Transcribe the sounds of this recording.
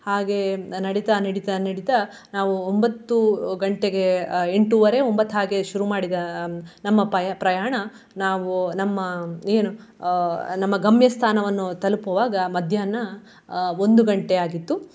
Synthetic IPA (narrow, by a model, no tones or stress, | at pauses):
haːɡe̞nɐɽit̪ɐnɐɽit̪ɐnɐɽit̪ɐ | naːʋuombɐt̪ːuɡɐɳʈeɡe̞eɳʈuʋɐɾe̞ombɐt̪ːɦaːɡe̞ʃuɾumaːɽid̪ɐnɐmːɐpɐjpɾɐjaːɳɐ | naːʋunɐmːɐeːnu | nɐmːɐɡɐmjɐst̪ʰaːnɐʋɐnːut̪ɐlupɐʋaːɡɐmɐd̪ʱjaːnɐ | o̞nd̪uɡɐɳʈe̞aːɡit̪ːu